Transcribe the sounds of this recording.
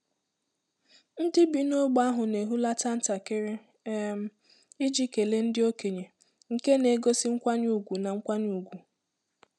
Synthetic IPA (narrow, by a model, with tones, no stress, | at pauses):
n̩˦dɪ˦bi˨no˦ɡ͡ba˦ɦʊ˨ne˨ɦu˦la˦ta˦n̩˦ta˨kɪ˦ɾɪ˦ | m̩˦ | i˦d͡ʒi˦ke˨le˦n̩˦dɪ˦o˦ke˨ɲe˨ | ŋ̩˨ke˦ne˨˦ɡo˦si˦ŋ̩˦kʷa˦ɲ˦u˨ɡʷu˨na˨ŋ̩˦kʷa˦ɲu˨ɡʷu˨